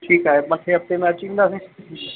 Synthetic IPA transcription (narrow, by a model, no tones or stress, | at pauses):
ʈʰiːkaːɦemãːkʰeɐp̚t̪emẽɐt͡ɕĩːnd̪aːse